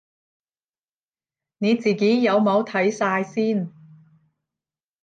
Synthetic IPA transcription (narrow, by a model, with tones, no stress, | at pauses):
ne˨˧t͡siː˨˩ke˨˥jjɐ˨˧wmo˨˧wt̪ʰɐ˨˥jsaː˧jsiː˥n